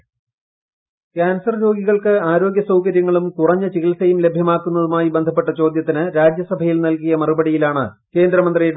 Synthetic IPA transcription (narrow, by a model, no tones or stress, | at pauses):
kaːnsɐrɾo̞ːɡiɣɐɭkɨaːɾo̞ːɡʲjɐsɐwkɐɾjɐŋːɐɭumkurɐɲːɨt͡ɕiɣilsɐjumle̞bʱjɐmaːkːunːɐðumaːjibend̪ʱɐpːe̞ʈːɐt͡ɕo̞ːd̪jɐt̪̬ːinɨɾaːd͡ʑjɐsɐbʱɐjilnɐlkijɐmɐrubɐɽijilaːɳɨ̰ | ke̞ːnd̪ɾɐmɐnd̪rieːɽ